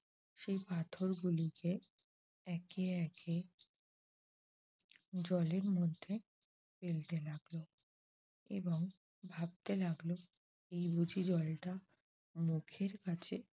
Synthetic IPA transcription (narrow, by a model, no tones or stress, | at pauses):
ʃejpat̪ʰoɾɡulike | ɛkeɛkʰe | d͡ʑɔleɾmod̪ʱːe | felt̪elaɡlo | ḛboŋ | bʱab̚t̪elaɡlo | ejbud͡ʑʱid͡ʑɔlʈa | mukʰeɾkat͡ɕʰe